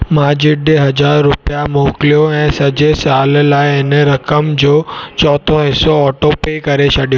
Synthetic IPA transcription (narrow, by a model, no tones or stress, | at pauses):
mãd͡ʑiɖeɦɐd͡ʑaːɾːʊpjamoklijoɛ̃səd͡ʑesallaːjeneɾɐkəmd͡ʑoːt͡ʃɔːt̪ʰõesoɔʈopekəɾeʃəɖijo